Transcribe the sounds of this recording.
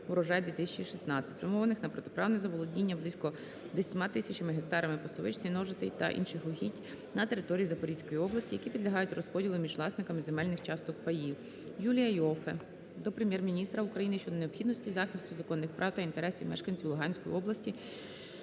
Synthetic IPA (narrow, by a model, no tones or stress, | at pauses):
ʋɾɔʒɑjɛd̪ʋʲit̪ɪsʲɐt͡ʃiʃisnɑt͡sʲɐ̥tʲʋemɔʋɐnɪxnɐpɾɔt̪epɾʔɑwnɛzɐbɔlˠɔdʲnʲinʲːɐblˠisʲkɔ | d̪esʲɐtʲmɑt̪ɪsʲɐt͡ʃɐmɪɦek̚t̪ɑɾɐmɪpɔsɔʋɪt͡ʃt͡sʲinɔʒɪt̪ɛjt̪ɐ̰ʔḭnʃɪxɔɦʲitʲ | nɐt̪eɾɪt̪ɔɾʲijizɐpɔɾʲisʲkɔjiɔblˠɐsʲtʲijɐkʲipʲid̪lʲɐɦɑjʊtʲrɔspɔdʲilˠɪmʲiʒʋlˠɑsnɪkɐmɪzemɛlʲnɪxt͡ʃɑst̪ɔkpɐjiw | julʲijɐjɔfɛ | d̪ɔpɾemʲjɛrmʲinʲist̪ɾɐukɾɐjinɪʃt͡ʃɔd̪ɔneɔpxʲid̪nɔsʲtʲizɑxʲɪst̪ʊzɐkɔnːɪxpɾʔɑwt̪ɐint̪eɾɛsʲiwmɛʃkɐnʲt͡sʲiwlˠʊɦɑnʲsʲkɔjḭɔblˠɐsʲtʲi